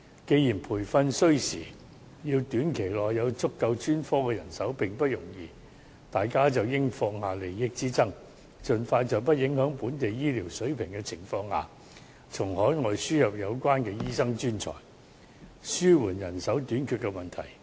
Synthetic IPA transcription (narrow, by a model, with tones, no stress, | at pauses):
ke˨˧jiː˨˩npʰuː˨˩jfɐ˧nsɵ˥ɥsiː˨˩ | jiː˧wt̪yː˨˥nkʰe˨˩jlɔː˨˩jːɐ˨˧wt͡sʊ˥kːɐ˧wt͡ʃyː˥nfɔː˥kɛː˧jɐ˨˩nsɐ˨˥wpɪ˨˩ŋpɐ˥t̚jʊ˨˩ŋjiː˧ | t̪aː˨jkaː˥t͡sɐ˨wjɪ˥ŋfɔː˧ŋhaː˨le˨˩jːɪ˧k̚t͡siː˥t͡sɐ˥ŋ | t͡sɵ˨nfaː˧jt͡sɐ˨˩wp̬ɐ˥t̚jɪ˨˥ŋhœː˨˥ŋpuː˨˥nt̪e˨jjiː˥liː˨˩wsɵ˨˥ɥpʰɪ˨˩ŋkɛː˧t͡sʰɪ̰˨˩ŋfɔː˧ŋha̰ː˨ | t͡sʰʊ˨˩ŋhɔː˨˥jŋɔː˨˧jsyː˥jɐ˨p̚jɐ˨˧wkʷwaː˥nkɛː˧jiː˥sɐ˥ŋt͡ʃyː˥nt͡sʰɔ̰ː˨˩j | syː˥wuː˨˩njɐ˨˩nsɐ˨˥wt̪yː˨˥nkʰyː˨˧t̚kːɛ˧mɐ˨˩nt̪ʰɐ̰˨˩j